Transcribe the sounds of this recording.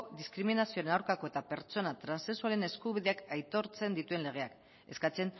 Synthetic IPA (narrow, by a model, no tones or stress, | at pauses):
d̪iskɾiminasioɾenawɾkako̞e̞t̪ape̞ɾt͡so̞nat̪ɾansesualene̞skuβiðe̞akajt̪o̞ɾt͡se̞nd̪it̪ue̞nle̞ɣ̞e̞ak | e̞skat͡se̞n